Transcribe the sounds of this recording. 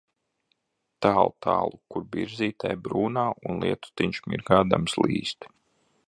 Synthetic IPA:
t̪aːlˠt̪a̰ːlˠukuɾbiɾziːt̪ajbɾuːnaːʔunlˠḭɛt̪u̥t̪iɲt͡ʃmḭɾɡaːd̪a̰mslḭːst̪

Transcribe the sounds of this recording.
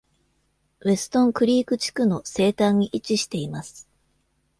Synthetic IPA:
βe̞sɨ̥t̪õ̞ŋkɯ̟ɾʲiːkɯ̟t͡ɕi̥kɯ̟no̞se̞ːt̪ãɲ̟ːiʔit͡ɕiɕi̥t̪e̞imasɨ̥

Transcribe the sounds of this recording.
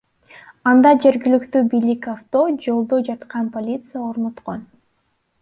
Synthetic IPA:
ɑnd̪ɑd͡ʒe̞ɾɡilykt̪ybijlikaft̪o̞d͡ʒo̞lˠd̪od͡ʒɑt̪qɑnpolʲit̪sɨjaoɾnot̪qo̞n

